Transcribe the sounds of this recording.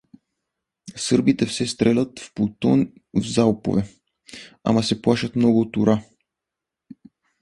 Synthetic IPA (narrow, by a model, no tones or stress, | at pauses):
sɤɾbit̪ɛfsɛst̪ɾɛlʲat̪fput̪ɔ̰n | vzalpo̰vɛ | a̰masɛplˠaʃat̪mnɔɡuot̪uɾa